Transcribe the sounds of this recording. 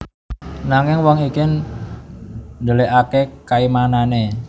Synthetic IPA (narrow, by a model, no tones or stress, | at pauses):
naŋɪŋwɔŋikɪn | nd̪əleʔakekaimanane